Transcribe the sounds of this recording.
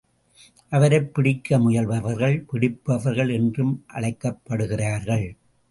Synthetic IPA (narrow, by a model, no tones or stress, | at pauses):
ʔɐʋɐɾɐɪpːɪɽɪkːɐmʊjɐlʋɐʋɐɾɣɐɭpɪɽɪpːɐʋɐɾɣɐɭɛndrɯmʔɐ̰ɭɐɪkːɐpːɐɽɯɣɪraːɾɣɐɭ